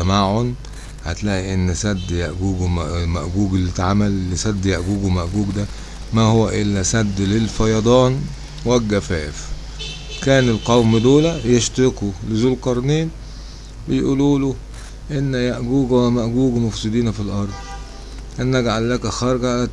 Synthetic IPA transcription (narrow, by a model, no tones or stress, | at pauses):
æmaʕon | hæ̰t̪læːʔiʔenːsæd̪ːjæʔɡuːɡmʔmæʔɡuːɡelːit̪ʕamælːesæd̪ːjaʔɡuːɡumæʔɡuːɡd̪æ | mæhowæʔɪlːæsæd̪ːlelfɑjɑd̪ˤɑːn | wælɡæfæːf | kæːnelqɑwmd̪oːlæjeʃt̪ɪkulezuːlqɑɾˤniːn | bɪjʔuːluːlu | ʔenːjæʔɡuːɡwmæʔɡuːɡmofsed̪iːnfilʔɑɾˤd̪ˤ | ʔenːæɡʕalːækæxɑɾˤɡæʔ